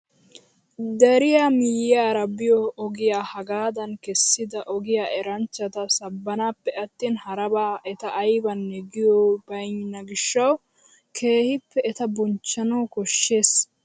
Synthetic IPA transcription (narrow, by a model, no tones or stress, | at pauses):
d̪ɛɾɪjaːmɪjːaːɾɐbːɪjɔɔɡɪjaːhɐɡaːd̪ɐnkɛsːɪd̪ɐʔɔɡɪjaːʔɛɾɐnt͡ʃːɐt̪ɐsɐbːɐnaːpːɛɐt̪ːiːnhɐɾɐbaːʔɛt̪ɐʔːjbɐnːɛɡɪjɔbɐjɲnːɐɡɪʃːɐw | kʰe̞ːhɪpːɛːt̪ɐbɔnt͡ʃːɐnoːkɔʃːe̞ːs